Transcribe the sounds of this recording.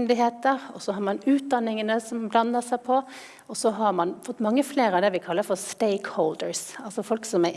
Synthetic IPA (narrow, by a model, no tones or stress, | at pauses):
nd̪ɪɦeːt̪əɾɔsɔɦɑɾmɑnʉːt̪̚d̪ɑnːɪŋənəsɔmblɑnːəsæɪpʰɔ | ɔsɔɦɑɾmɑnfɔt̪ːmɑŋːəfleːɾəɑʋd̪ɛʋɪkʰɑlːəfɔɾst̪eɪkhɔʊld̪əɾsɑlsɔfɔlksɔmæ